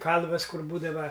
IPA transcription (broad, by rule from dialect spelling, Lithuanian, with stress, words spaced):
ˈkɐlˠʋɐs ˈkʊr ˈbuːdɐʋɐ